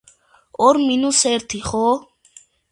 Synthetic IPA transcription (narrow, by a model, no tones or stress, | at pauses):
ɔɾminusɛɾt̪ʰiχɔ